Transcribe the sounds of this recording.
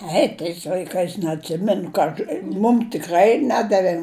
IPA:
ˈɛɪ tɐɪs lʲɐɪˈkɐɪs nʲɛɐtʲˈsʲɪmʲɛnʊ kɐ ˈɐʃ ˈmʊm tʲɪˈkrɐɪ ˈnʲæːdɐʋʲeː

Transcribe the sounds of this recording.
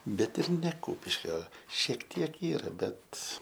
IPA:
ˈbʲɛt ɪr nʲɛ ˈkuːpʲɪʃʲkʲoː ʃʲiɛk ˈtʲiɛk ˈiːrɐ ˈbʲɛt

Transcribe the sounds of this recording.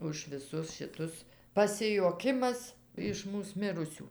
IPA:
ʊʃ ʋʲɪˈsʊs ʃʲɪˈtʊs pɐsʲɪjuɔˈkʲɪmɐs ɪʃ ˈmuːs ˈmʲɪrʊsʲuː

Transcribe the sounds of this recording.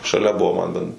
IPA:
ʃɐˈlʲɛ ˈbʊʋoː mɐn bʲɛn

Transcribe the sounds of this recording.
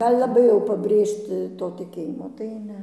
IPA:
ˈɐlʲ lˠɐˈbɐɪ jɛʊ pɐbʲˈrʲeːʃʲtʲɪ toː tʲɪˈkʲeːjɪmoː tɐɪ ˈnʲɛ

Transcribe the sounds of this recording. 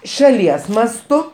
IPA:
ʃɐˈlʲiɛs mɐsˈtʊ

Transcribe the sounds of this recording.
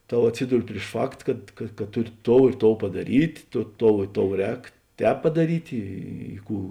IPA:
ˈtoː ɐtʲˈsʲiːdʊrʲɪ pʲrʲɪʃ ˈfɐkt kɐt kɐ ˈtʊˌrʲɪ ˈtoːʊ ɪ ˈtoːʊ pɐdɐˈrʲiːtʲ ˈtoː ˈtoːʊ ɪ ˈtoːʊ ˈrʲɛːk ˈtʲɛːp pɐdɐˈrʲiːtʲ ˈiː ˈkuː

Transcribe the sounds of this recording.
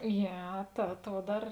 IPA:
ˈjiɛ tɐ ˈtuɔ ˈdɐr

